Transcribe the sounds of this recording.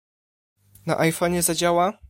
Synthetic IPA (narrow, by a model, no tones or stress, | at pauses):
na̰ʔajfɔɲɛzad͡ʑawa